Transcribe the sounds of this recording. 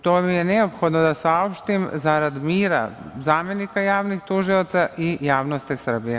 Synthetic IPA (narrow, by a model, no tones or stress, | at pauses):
t̪omijɛnɛopxod̪nɔd̪asaopʃt̪imzaɾad̪imiːɾa̰zaːmenikajaːʋnixt̪uʒiot̪saʔijaːʋnost̪isər̩bijɛ